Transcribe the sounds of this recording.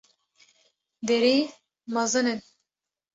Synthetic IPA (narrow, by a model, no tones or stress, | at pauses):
d̪ɛɾiː | mɑzɨnɨn